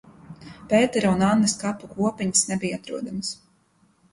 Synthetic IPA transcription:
peːt̪ɛɾaunanːaskapːukuɔpiɲsnɛbijat̪ɾuɔd̪ams

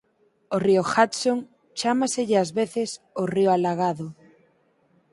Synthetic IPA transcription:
orioxat̪soŋ | t͡ʃamaseʎɪazβeθɪs | orioalaɣ̞aðo

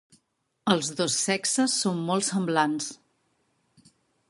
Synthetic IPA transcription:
əlˠzðosːɛksəsːommɔlˠsəmblans

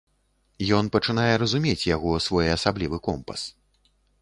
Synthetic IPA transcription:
jɔn̪pɐt͡ʂɨnajɛɾɐzumʲet͡sʲjaɣɔsvɔjɐsablʲivɨkɔmpɐ̰s

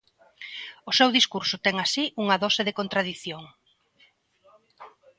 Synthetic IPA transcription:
ʊsewðiskuɾsʊt̪ɛŋasiʔuŋɐðɔsɪðekont̪ɾaðiθjoŋ

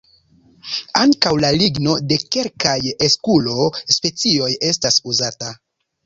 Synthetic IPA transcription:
aŋkawlaliɡno̞de̞ke̞lkajeskulo̞spe̞t͡sio̞je̞stasuzata

